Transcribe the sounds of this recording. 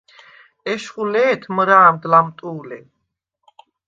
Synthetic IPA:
ɛʃχulɛːt̪ʰməɾaːmd̪lamt̪ʼuːlɛ

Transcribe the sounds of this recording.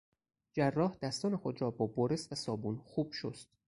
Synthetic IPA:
d͡ʒærːɒːhd̪æst̪ɒːnexod̪ɾɒːbɒːboɾesvæsɒːbuːnxuːb̥ʃost̪

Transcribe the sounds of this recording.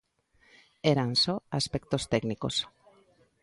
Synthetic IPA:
eɾansɔaspek̚t̪ost̪ɛkniko̰s

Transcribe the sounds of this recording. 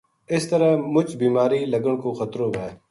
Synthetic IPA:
ɪst̪ɐɾamʊt͡ʃbiːmaːɾiːlɐɡəɽ̃koːxɐt̪ɾoːbʱɛː

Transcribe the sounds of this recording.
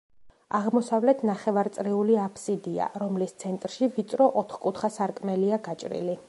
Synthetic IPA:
aʁmɔsavlɛt̪ʰnaχɛvaɾt̪sʼɾiuliapʰsid̪ia̰ɾɔmlist̪sʰɛnt̪ʼɾʃivit̪sʼɾɔʔɔt̪ʰχkʼut̪ʰχasaɾkʼmɛliaɡat͡ʃʼɾḭli

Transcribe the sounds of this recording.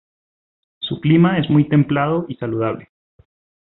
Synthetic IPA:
suklimae̞zmujt̪e̞mplað̞o̞isaluð̞aβle̞

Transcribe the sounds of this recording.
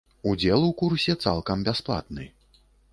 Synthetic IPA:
ud͡zʲɛlˠukursʲɛt̪sa̰lˠkɐmbʲasplˠa̰t̪nɨ

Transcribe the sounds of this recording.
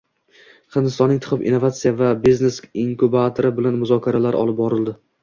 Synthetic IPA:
qʰɨnd̪ɪst̪ɒnːɪŋt̪ʰʊ̥qɨpḭnːo̞vat̪sijavabiznesiŋkubat̪ʰoɾɪbɪlanmʊzɒkʲʰaɾalaɾʔɒ̰lˠɪp̚bɒɾɪld̪ɪ

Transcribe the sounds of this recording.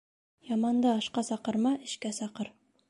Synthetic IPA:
jɑmɑnd̪ɤɑʃqɑsɑqɤ̆ɾmɑʔɘ̆ʃkæsɑqɤɾ

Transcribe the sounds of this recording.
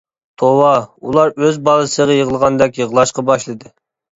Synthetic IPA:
t̪ʰowɑulˠɑɾøzbɑlˠɨsəʁɑjəʁəlˠəʁɑnd̪ɛkʲjəʁlˠɑʃqɑbɑʃlˠɨd̪ɨ

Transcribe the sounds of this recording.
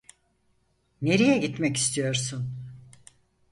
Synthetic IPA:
ne̞ɾijɛɟit̪mɛci̥st̪ʰijo̞ɾsun

